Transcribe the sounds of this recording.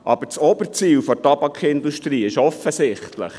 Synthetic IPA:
ʔɑb̥əɾt͡sɔbəɾt͡siːlfɔtɑbɑkʰɪnd̪uʃtɾiːɪʃɔfəsɪχt̪lə̰χ

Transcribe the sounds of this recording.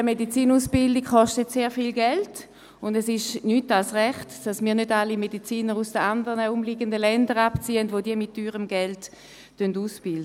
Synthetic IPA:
əmedit͡siːnuːsb̥ɪldikχɔʃtətseːʁfilɡɛlt | ʊndɛsɪʃnyːtalsʁɛχtd̥asmiːɐnødalimedit͡siːnəʁusd̥əandəʁnəʊmliɡəndəlɛndəʁapt͡siːəndvʋodiəmɪtːyːʁəmɡɛlt | tønduːsb̥ɪldə

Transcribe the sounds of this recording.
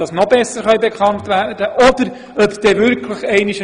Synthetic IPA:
ɑsnɔbɛsəɾχɑjbɛkʰɑntvæɾd̥əʔɔdəɾ | œpd̪̥ɛːvʏɾkʰləχɛɪnɪʃ

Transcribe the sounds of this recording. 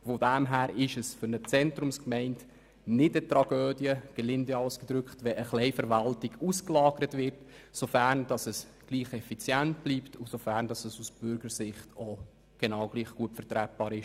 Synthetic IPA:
fodæmɦæːɾɪʃəsfʏnət͡sɛntɾʊmskmɛɪnt | nɪdətɾɑɡ̥øːdjəɡ̥ɛlɪndeɑwskəd̪ɾʏkχtʋɛʔəχlɛɪfəɾʋɑltɪɡusklɑːɡ̥əɾətʋɪɾtsofæɾnd̥ɑsəs | ɡ̥liːχɛfit͡sjænt̚b̥liːptʰusofæɾnd̥ɑsəsusb̥ʏɾɡəɾsɪχtʰo | ɡ̥enɑwɡ̥liːχɡ̥uətfəɾtɾæt̚b̥ɑːɾɪʃ

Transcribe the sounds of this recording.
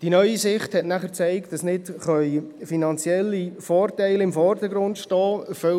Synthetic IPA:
d̥inœʏisɪχthɛtnæχəɾt͡sɛɪktd̥ɑsnɪtχœʏfinɑnt͡sjɛlːifɔːrtæɪlɪmfɔrdəɡɾʊndʃtɑːəfœ

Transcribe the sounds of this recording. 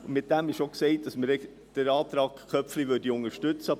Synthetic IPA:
mɪt̚d̥æmɪʃoksɛɪt̚d̥ɑsməɾɛ | d̥əɾɑːt̪ɾɑːkkʰœpflivʏɾdiʊŋəɾʃtʏt͡sə

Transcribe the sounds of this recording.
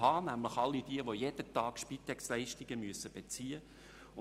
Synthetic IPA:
hɑːnæmlɪχɑlːid̥iəʋojed̥ətɑːkʃpit̪ːɛkslɛɪʃtɪɡ̥əmyəsəb̥et͡siːə | ʊ

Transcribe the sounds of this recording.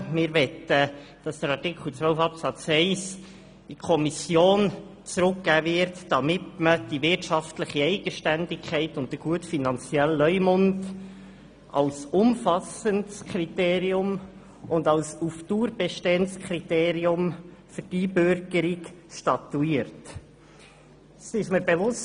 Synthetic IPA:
mɪɾʋɛt̪əd̥ɑsd̥əɾɑʁtikχl̩t͡sʋœlfɑpsɑt͡sɛɪs | d̥ikʰɔmisjoːn | t͡sɾʊkɡæːvɪɾtd̥ɑmɪt̪məd̥ivɪtʃɑftləχiɛɪɡ̥əʃtændɪkʰχɛɪtʊnt̚təɡ̥uətfinɑnt͡sjɛlːœʏmʊnd | ʔɑ̰lsʊmfɑsəntskʰɾiteːɾiʊm | ʊndɑlsuftuːɾbɛʃteːənskʰɾiteːɾiʊmfʏd̥ibøɾɡəɾikʃtɑtuiːɾt | sɪʃməɾbevʊs

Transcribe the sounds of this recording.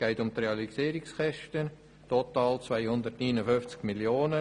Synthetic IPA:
ɡ̥ɛɪtʊmt̪ɾeɑlisiːɾɪksχɛʃtən | totɑːlt͡svaɪhʊnd̪ərtniːnəfʏft͡skmiljoːnə

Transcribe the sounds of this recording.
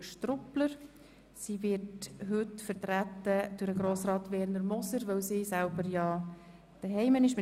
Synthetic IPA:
ʃtrʊpləɾ | sivɪtɦɵtfəɾtɾæt̪ːəd̥ʊɾəɡɾoːsrɑːt̪vɛːɾnəɾmɔsəɾʋœwsiːsælbəɾjɑ | d̥əɦɛɪmənɪʃmɪ

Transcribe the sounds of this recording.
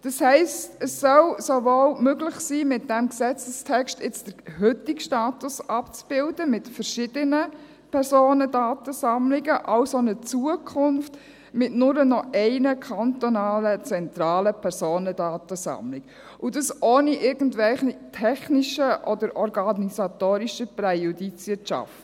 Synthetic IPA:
d̥ɑshɛɪstəsːœlsovolmøɡlɪχsiːmɪt̚d̥ɛmksɛt͡səstʰɛkʃtɪt͡sd̥əɾɦʏtɪkʃtaːtʊsɑpt͡sb̥ɪldəmɪtfəɾʃɪd̥ənə | pʰɛɾzoːnədaːtəsɑmlɪɡəʔɑʊsonət͡suəkʰʊnft | mɪtnʊɾənɔʔɛɪnəkʰɑntɔnɑːlət͡sɛntɾɑːləpʰɛɾsoːnədɑːtəsɑ̰mlɪk | ʊdəsʔoːniʔɪɾɡ̥ən̩tvɛlχitʰɛχniʃəʔɔdəɾʔɔɾɡɑnisat̪oːɾiʃəprɛjudit͡sʋɪt͡ʃɑ̰ft

